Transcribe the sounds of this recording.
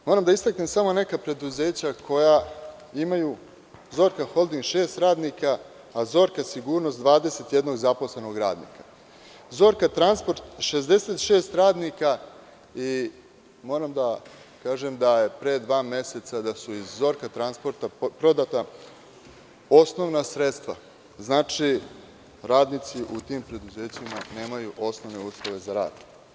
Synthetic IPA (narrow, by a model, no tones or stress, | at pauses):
mo̞ːɾamd̪aist̪aknemsamo̞ne̞kapɾe̞d̪uze̞ːt͡ɕakʰo̞ja | imaju | zo̞ːɾkaxo̞lˠd̪iŋɡʃe̞ːst̪ɾaːd̪nikaː | zo̞ːɾkasiɡuːɾnost̪d̪ʋaːd̪e̞se̞t̪je̞d̪no̞ɡzapo̞sle̞no̞ɡɾaːd̪nḭːka | zo̞ːɾkat̪ɾanspo̞ɾt̪ʃe̞zd̪e̞set̪ʃe̞ːst̪ɾaːd̪nika | i | mo̞ːɾamd̪a | kaːʒemd̪aje̞pɾe̞ːd̪ʋaːmje̞set̪sad̪asuizːo̞ɾkat̪ɾanspo̞ɾt̪apɾo̞d̪at̪a | o̞sno̞ʋnasɾe̞t̪st̪ʋa̰ | znaːt͡ʃi | ɾaːd̪nit̪siʔut̪iːmpɾe̞d̪uze̞ːt͡ɕimane̞ːmajuʔo̞sno̞ʋne̞uːslˠoʋe̞zaɾa̰ːd̪